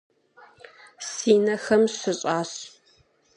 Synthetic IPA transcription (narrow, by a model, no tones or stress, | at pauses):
siːnɐxɐmɕɨɕʼaːɕ